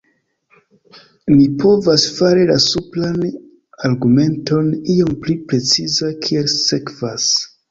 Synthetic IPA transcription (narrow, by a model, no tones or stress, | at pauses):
nipʰo̞vasfaɾilasuplan | aɾɡume̞nto̞nio̞mplipɾe̞t͡sizakʰie̞lse̞kv̥as